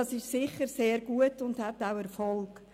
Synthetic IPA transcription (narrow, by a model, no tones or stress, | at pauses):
ɑsɪʃsɪχəɾseːɾɡ̥uətʊndhɛtawɛɾfɔlk